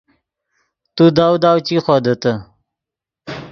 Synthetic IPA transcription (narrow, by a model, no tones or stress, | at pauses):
t̪ud̪awd̪aːwt͡ɕixod̪ət̪ə